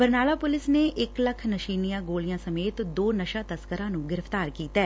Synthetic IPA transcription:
bəɾnaːlaːpʊlɪsneːʔɪkləkʰnəʃiːnijãːɡoːlɪjãːsəmeːt̪d̪oːnəʃãːt̪əskəɾãːnũːɡɪɾəft̪aːɾkiːt̪ɛː

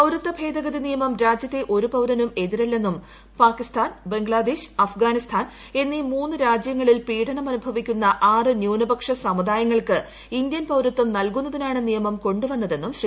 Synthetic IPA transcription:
pɐwɾɐt̪ːɐbʱe̞ːd̪ɐɡɐðinijɐmɐmɾaːd͡ʑjɐt̪ːe̞ʔo̞ɾupɐwɾɐnume̞ðiɾɐlːe̞nːum | paːkist̪ʰaːnbe̞ŋɡɭaːd̪eːʂɐfɡaːnist̪ʰaːn | e̞nːimuːnːɨɾaːd͡ʑjɐŋːɐɭilpiːʈʰɐɳɐmɐnubʱɐʋikʲːunːɐʔaːrɨnjuːnɐbɐkʂɐsɐmud̪aːjɐŋːɐɭkɨ | ind̪jɐnpɐwɾɐt̪ːɐmnɐlkunːɐðinaːɳɨnijɐmɐmko̞ɳɖuʋɐnːɐðe̞nːumɕri

